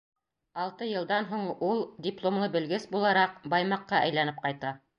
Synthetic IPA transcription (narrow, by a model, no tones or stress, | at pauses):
ɑlˠt̪ɤjɤ̆lˠd̪ɑnɦuɴulˠdʲiplˠomlˠɤbɘ̆lɡɘsbulˠɑɾɑq̚bɑjmɑqːɑʔæjlænɘp̚qɑjt̪ɑ